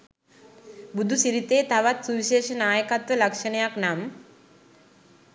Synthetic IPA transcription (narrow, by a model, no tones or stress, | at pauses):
bud̪ʱːusiɾit̪eːt̪aʋat̪suʋiɕeːʃɐnaːjəkat̪ʋɐlɐkʂɐɳjaknam